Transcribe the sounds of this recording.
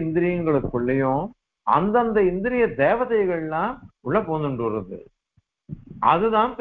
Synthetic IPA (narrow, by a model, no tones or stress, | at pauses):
ɪnd̪ɪɾɪjɐŋɡɐɭɯkːɯɭːɐjʊ̃ | ɐ̰nd̪ɐnd̪ɐɪnd̪ɪɾɪjɐd̪eːʋɐðɐɪɣɐɭɐlːãːmʊɭːɐpoːnd̪ɯɳɖɯɾɐðɯ̰ | ʔɐ̰ðɯðãːnp